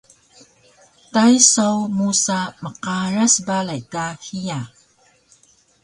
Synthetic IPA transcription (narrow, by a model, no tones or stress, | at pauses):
tajsawmusaməqaɾasbalajkahija